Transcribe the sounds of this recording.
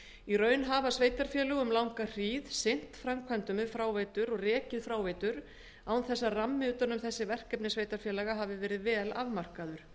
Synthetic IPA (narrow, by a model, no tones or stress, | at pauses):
irœːɥnɦaːvasveːjt̪aɾ̥fjɛːlʏɣʏmlawŋkar̥iːðsejn̥t̪fɾamkʰajnt̪ʏmɛðfɾaːwvejt̪ʏɾɔɣrɛːcɪðfɾaːwvejt̪ʏɾ | awnθɛsːaramːɪyːt̪anʏmθɛsːɪvɛr̥kɛpnɪsveːjt̪aɾ̥fjɛːlaɣaɦaːvɪvɛːɾɪðvɛːlavmar̥kaðʏɾ̥